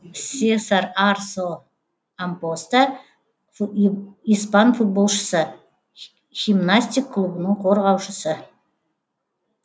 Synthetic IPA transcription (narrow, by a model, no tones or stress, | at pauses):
sʲesaɾarso | ampost̪a | ijspɑnfut̪̚bo̞lˠʃə̥sə | ɡ̥ʲimnasʲt̪ʲikʰːlˠubənəɴqʰoɾʁɑwʃəsə